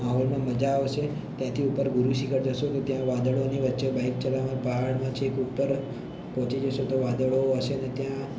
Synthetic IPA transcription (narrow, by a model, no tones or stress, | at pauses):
maɦɔlmãməd͡ʒaoʃʰe | t̪jãt̪ʰiupəɾɡʊɾuʃikʰəɽd͡ʒəʃot̪ot̪jãʋad̪əɭoniʋət̪ːʃebaik̚t͡ʃəlaʋãpəɦaɽmãt͡ʃʰekupːəɾ | pɔ̃ɦt͡ʃid͡ʒəʃet̪oʋad̪əɭoəʃenet̪jã